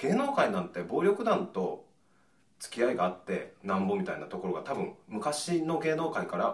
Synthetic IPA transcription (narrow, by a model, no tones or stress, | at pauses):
ɡ̥e̞ːno̞ːkainãnt̪e̞bo̞ːɾʲo̞kɯ̟d̪ãnt̪o̞ | t͡sɨ̥kʲiaiɡaːt̪ːe̞nãmbo̞mʲit̪ainat̪o̞ko̞ɾo̞ɡat̪abɯ̟̃ŋmɯ̟kaɕino̞ɡe̞ːno̞ːkaikaɾa